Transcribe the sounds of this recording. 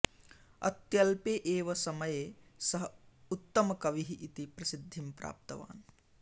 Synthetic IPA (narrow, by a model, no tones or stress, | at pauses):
ɐ̰t̪jɐlpeːʔeːʋɐsɐmɐjeːsɐɦɐut̪ːɐmɐkɐʋiɦiʔit̪ipɾɐsid̪ʱːimpɾa̰ːp̚t̪ɐʋa̰ːn